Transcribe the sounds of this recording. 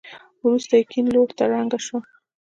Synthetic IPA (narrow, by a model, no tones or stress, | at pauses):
wɾust̪ajkinloɽt̪aɾaŋɡaʃwa